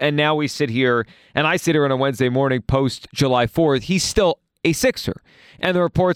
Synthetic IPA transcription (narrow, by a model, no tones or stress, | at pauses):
ɨ̃nːaʊwisɪt̚hiɹ | ʔɨ̃naɪsɪɾə˞ɨ̃nəwɛ̃nzdeɪmɔɹnɪ̃ŋpʰoʊstd̥ʒ̥əlaɪfɔɹθhiz̥stɪlˠ | ɨsɪksə̰˞ | ʔɨ̃nðəɹəpʰɔɹt